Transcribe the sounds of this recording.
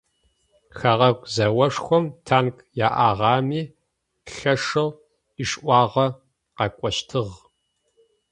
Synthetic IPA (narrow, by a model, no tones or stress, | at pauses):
xɐʁɐkʷʼzɐwɐʂxʷɔmtʰaːnkʰʼ | jaːʔaːʁɑːmiː | ɬɐʂɨl | iʂʔʷɑːʁɐ | qɑkʷʼɔɕtʰɨʁ